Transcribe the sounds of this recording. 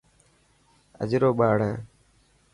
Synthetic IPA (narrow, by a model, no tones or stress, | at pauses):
ə̰d͡ʒɾoːɓaːɽ̤ãː